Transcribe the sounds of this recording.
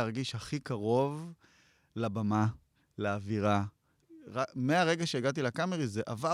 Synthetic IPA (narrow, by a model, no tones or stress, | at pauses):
aʁɡiʃhaχikaʁo̞v | labama | laːviʁa | ʁameaʁe̞ɡaʃe̞iɡat̪ilakameʁizeʔava